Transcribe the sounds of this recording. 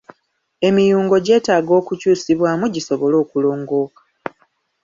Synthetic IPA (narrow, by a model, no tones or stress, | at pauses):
e̞mijuːŋɡo̞ɟe̞ːtaːɡo̞ːkucuːsiβwaːmuɟiso̞βo̞lo̞ːkulo̞ːŋɡo̞ːkḁ